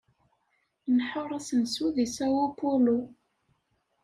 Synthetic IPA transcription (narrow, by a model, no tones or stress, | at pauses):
nħoɾˤæsənsuðisæwupulu